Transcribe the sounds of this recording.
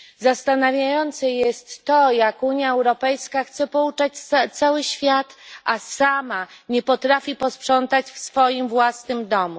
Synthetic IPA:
zast̪anavʲjajɔnt̪sɛjɛst̪ːɔjakuɲjaɛwɾɔpɛjskaxt̪sɛpɔut͡ʂat͡ɕat̪sawɘɕfʲjat̪asamaɲɛpɔt̪ɾafʲipɔspʂɔnt̪at͡ɕfsfɔjimvwasnɘmd̪ɔmu

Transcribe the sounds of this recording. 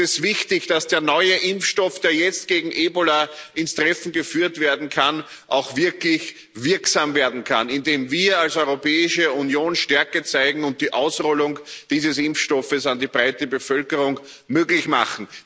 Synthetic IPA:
ɛsv̥ɪçtɪçd̥asd̥eːɐnɔʏəʔɪmfʃtɔfd̥eːɐjɛt͡st̚ɡ̥eːɡŋ̩ʔeːbolaʔɪnstʁ̥ɛfn̩ɡəfyːɐtv̥eːɐdn̩kʰan | ʔaʊxv̥ɪɐklɪç | vɪɐksaːmveːɐdn̩kʰa̰nɪndeːmviːɐalsɔʏʁopɛːɪʃəunjoːnʃtɛɐkət͡saɪɡŋ̩ʊnt̚d̥iːʔaʊsʁɔlʊŋd̥iːzəsɪmfʃtɔfəsandiːbʁaɪtəbəfœlkəʁʊŋ | møːɡlɪçma̰χn̩

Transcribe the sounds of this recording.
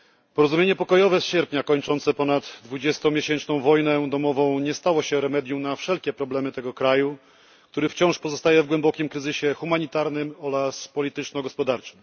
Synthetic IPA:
pɔɾɔzumʲjeɲɛpɔkɔjɔvɛsɕɛɾpɲakɔɲt͡ʂɔnt̪sɛpɔnad̪ːvud͡ʑɛst̪ɔ̃mʲjeɕɛnt͡ʂnɔ̃w̃vɔjnɛd̪ɔmɔvɔ̃w̃ɲɛst̪awɔɕɛɾɛmɛd̪ʲjuwnafʂɛlkʲɛpɾɔblɛmɘt̪ɛɡɔkɾaju | kkt̪uɾɘft͡ɕɔ̃w̃ʂpɔzɔst̪ajɛvɡwɛmbɔkʲimkɾɘzɘɕɛxumaɲit̪aɾnɘmɔɾaspɔlʲit̪ɘt͡ʂnɔɡɔspɔd̪aɾt͡ʂɨ̥m

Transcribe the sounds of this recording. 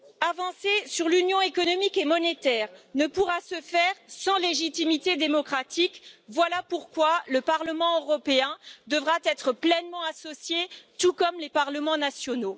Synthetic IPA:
avɑ̃sesyʁlynjɔ̃ekɔnɔmikemɔnet̪ɛːʁnəpuʁasəfɛʁsɑ̃leʒit̪imit̪ed̪emɔkχat̪ikvwalapuʁkwaləpaʁləmɑ̃øʁɔpeɛ̃d̪əvʁat̪ɛt̪χəplɛnmɑ̃asɔsjet̪ukɔmlepaʁləmɑ̃nasjɔno

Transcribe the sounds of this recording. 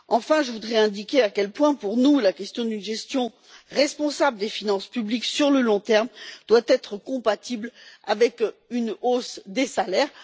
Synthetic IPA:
ɑ̃fɛ̃ʒəvud̪ʁɛɛ̃d̪ikʲeakʲɛlpwɛ̃puʁnulakʲɛst̪jɔ̃d̪ynʒɛst̪jɔ̃ | ʁɛspɔ̃sabləd̪efinɑ̃spybliksyʁləlɔ̃t̪ɛʁmd̪̥wat̪ɛt̪χəkɔ̃pat̪ibla̰vɛkynosd̪esalɛːʁ

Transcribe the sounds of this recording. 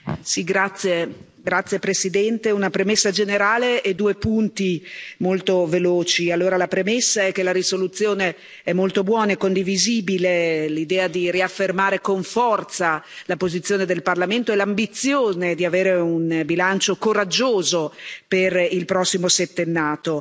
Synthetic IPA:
siɡɾat̪sːje | ɡɾat̪sːjepɾesid̪ɛnt̪eunapɾemesːad͡ʒeneɾaːleʔːd̪uːepunt̪imolt̪oveloːt͡ʃialːoːɾalapɾemesːaɛkːelaɾisolut̪sːjoːne | ɛmolt̪obwɔːnaekond̪iviziːbilelid̪ɛːad̪iriafːermaːɾekoɱfɔrt̪salapozit̪sːjoːned̪elparlament̪oɛlambit̪sjoːned̪iaveːɾeunbilant͡ʃokoɾad͡ʒːoːzoperilpɾɔsːimoset̪ːenːaːt̪o

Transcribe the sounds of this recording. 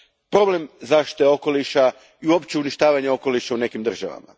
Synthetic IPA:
pɾo̞ble̞mzaʃt̪i̥t̪eo̞ko̞liʃa | iuo̞pt͡ɕeuniʃt̪aːʋaɲeo̞ko̞liʃaune̞kimd̪r̩ʒa̰ʋa̰ma̰

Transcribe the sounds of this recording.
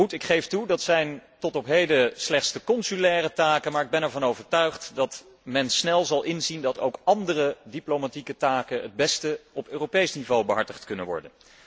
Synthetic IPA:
utɪkχejftudɑtsɛjntɔtɔpɦejdəslɛχtsdəkɔnsylɛːrətaːkənmaːɹɪɡ̚bɛnɛɹvɑnowvəɹtœɥχtdɑt | mɛnsnɛlˠzɑlˠʔɪnzindɑto̰wkɑndərədiplomatikətaːkənɦəd̚bɛstəɔpøːropejsnivowbəɦɑɹtəχtkɵnənʋɔ̰ɹdən

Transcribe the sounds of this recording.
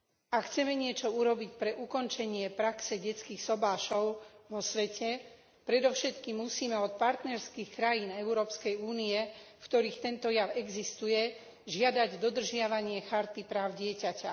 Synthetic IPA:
akxt͡sɛmɛɲɪɛt͡ʃɔuɾɔbicpɾɛʔukɔnt͡ʃɛɲɪɛpɾaksɛɟɛt͡skiːxsɔbaːʃɔʊʋɔsʋɛcʰɛ | pɾɛd̪ɔʊʃɛt̪kimːusiːmɛɔt̪̚paɾt̪nɛɾskiːxkɾajiːnɛʊɾɔːpskɛjuːniɛfkt̪ɔɾiːxt̪ɛnt̪ɔjaʊɛɡzist̪ujɛ | ʒɪad̪aɟd̪ɔd̪r̩ʒɪaʋaɲɪɛxaɾt̪ipɾaːʊɟɪɛcaca

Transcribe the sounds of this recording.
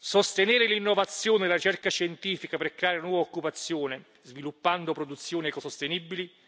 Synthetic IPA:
sost̪eneːɾɪlinːovat̪sːjoːned̪elaɾit͡ʃɛrkaʃɛnt̪iːfikaperkɾeaːɾɪnwɔːvaokːupat̪sːjoːnɪ | zvilupːand̪opɾod̪ut̪sːjoːnɛkosost̪enibːili

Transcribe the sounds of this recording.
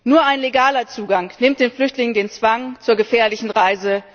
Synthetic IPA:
nuːɐʔaɪnleɡaːlɐt͡suːɡaŋnɪmt̚d̥eːnflʏçtlɪŋəndeːnt͡sv̥aŋt͡suːɐɡəfɛːɐlɪçn̩ʁaɪzə

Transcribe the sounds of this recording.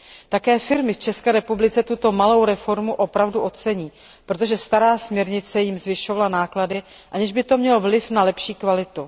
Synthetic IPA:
t̪akɛːfɪɾmɪft͡ʃɛskɛːɾɛpublɪt͡sɛt̪ut̪o̞malo̞wɾɛfo̞ɾmuʔo̞pɾavduʔo̞t̪t͡sɛɲiː | pɾo̞t̪̬oʒɛst̪aɾaːsmɲɛɾɲɪt͡sɛjɪmzvɪʃo̞valanaːkladɪ | ʔaɲɛʒbɪt̪o̞mɲɛlovlɪfnalɛpʃiːkvalɪt̪u

